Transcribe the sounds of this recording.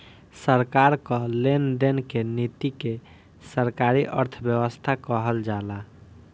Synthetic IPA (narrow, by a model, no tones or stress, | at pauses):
səɾkaɾkɔ̃lenɖenkenit̪ike | səɾkaɾiʔəɾt̪ʰəbjəwəst̪ʰakəɦəld͡ʒala